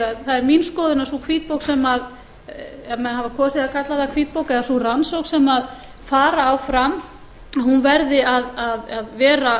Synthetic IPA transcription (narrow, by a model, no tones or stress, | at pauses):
aθaðɛɾminskɔːðɪnaɾ̥sukʰviːt̪̚powksɛmað | amɛnhavakʰɔːsɪðakʰat̪laðakʰviːt̪̚powkɛðasuransowksɛmað | faːɾaːwfɾam | ahunvɛɾðɪaðaðaðvɛːɾa